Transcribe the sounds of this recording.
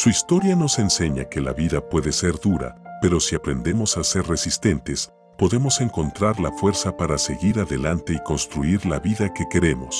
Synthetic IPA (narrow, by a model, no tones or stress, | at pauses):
suist̪o̞ɾjano̞se̞nse̞ɲa̰ke̞la̰βiðapwe̞ðe̞se̞ɾðuɾa̰pe̞ɾo̞siapɾe̞nd̪e̞mo̞saseɾre̞sist̪e̞nt̪e̞s | po̞ðe̞mo̞se̞ŋko̞nt̪ɾaɾlafwe̞ɾsapaɾase̞ɣiɾaðe̞lant̪e̞iko̞nst̪ɾuiɾlaβiðake̞ke̞ɾe̞mo̞̰s